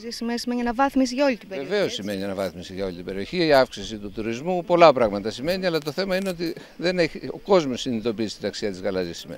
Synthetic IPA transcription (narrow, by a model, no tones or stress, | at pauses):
zisimesimeɲʲinɐvɐθmis̬iʝɐo̞lit̪ibeɾeve̞o̞sime̞ninɐvɐθmisiʝɐo̞lit̪ibe̞ɾio̞çiiɐfksisit̪ut̪uɾizmupo̞lɐpɾɐɣmɐt̪ɐsime̞niɐlɐt̪o̞θe̞mɐineo̞t̪i | ðe̞ne̞çio̞ko̞zmo̞sːinit̪o̞pisist̪inɐksiɐt̪izɣɐlɐzisimḛ